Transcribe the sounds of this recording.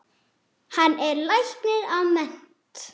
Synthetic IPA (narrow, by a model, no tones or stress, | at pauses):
hanːɛɾlajhk̪nɪðawmɛn̥ | t̪